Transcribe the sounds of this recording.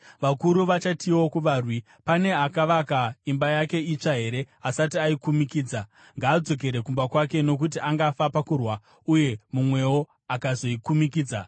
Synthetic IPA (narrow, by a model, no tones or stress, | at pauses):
ʋakuɾuʋat͡ʃatiwo̞kuʋaːrwi | pane̞akaʋakaimbajake̞it͡ʂaɦe̞ɾe̞asatiaikumikiːd͡za | ŋɡaːd͡zo̞k̬e̞ɾe̞kumbakwake̞no̞k̬ut̬iʔaŋɡafapakurwa | uje̞mumwe̞wo | akazo̞ikumik̬iːd͡za